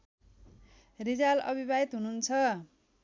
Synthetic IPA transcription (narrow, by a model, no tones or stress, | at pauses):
rid͡zalʌ̰bʱibaɦit̪ɦununt͡sʰʌ